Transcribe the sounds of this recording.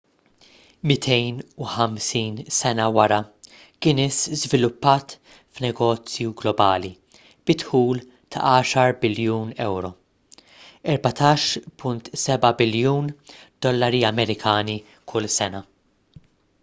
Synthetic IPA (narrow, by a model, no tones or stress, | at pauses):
mɪt̪ʰɛjnuħɐmsiːnsɛnɐwɐɾɐ | kɪːnɪszvɪlʊpːɐːt̪ | fnɛɡɔːt͡sjuɡlɔbɐːli | b̥ɪt̪ħuːl | t̪ʰɐ̰ʔɐːʃɐɾbɪljuːnɛwɾɔ | ɛɾbɐt̪ʰɐːʃpʊnt̪sɛbɐbɪljuːnd̪̥ɔlːɐɾiɐmɛɾɪkʰɐːni | kʰʊlːsɛnɐ